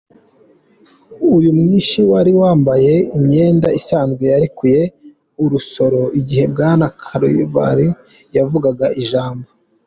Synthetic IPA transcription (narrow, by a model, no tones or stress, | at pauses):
ujumŋiːnʃiwaɾiwaːmbaje̞imɲe̞ːndaisaːnzɡwejaɾikuje̞ | uɾuso̞ɾo̞iɟihe̞b̚ɡaːnakʰaɾo̰jṵβa̰ɾijavuɡaɡaʔiʒaːmbo